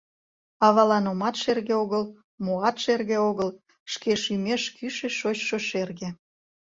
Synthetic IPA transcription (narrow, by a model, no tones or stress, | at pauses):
ɑβɑlɑnomɑt̪ʃerɣeoɣəl | moɑt̪ʃerɣeoɣəl | ʃkeʃymeʃkyʃeʃot͡ɕʃoʃerɣe